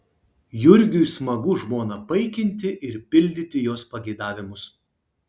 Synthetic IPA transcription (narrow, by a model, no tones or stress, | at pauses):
jʊɾʲɡʲʊjsmɐɡʊʒmoːnɐpɐɪkʲɪnʲt̪ʲɪʔɪɾpʲɪlʲd̪ʲɪt̪ʲɪjoːspɐɡʲɛɪd̪ɑːʋʲɪmʊs